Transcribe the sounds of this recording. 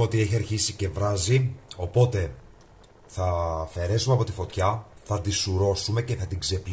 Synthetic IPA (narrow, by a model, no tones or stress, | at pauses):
o̞t̪ie̞çiɐɾçisice̞vɾɐzio̞po̞t̪e̞ | θɐfe̞ɾe̞sumeɐpo̞t̪ifo̞t̪çɐθɐd̪isuɾo̞sume̞ce̞θɐt̪iɡze̞pl